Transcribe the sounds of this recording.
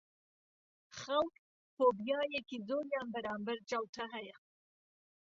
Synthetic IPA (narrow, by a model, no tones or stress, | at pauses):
xalk | pobjɑjekizojambaɾɑmbaɾt͡ʃɑwʈaɦaja